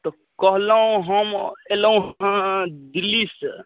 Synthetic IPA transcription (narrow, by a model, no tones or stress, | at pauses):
t̪ɔ | kəɦləɦũɦəmeləũɦãd̪ilis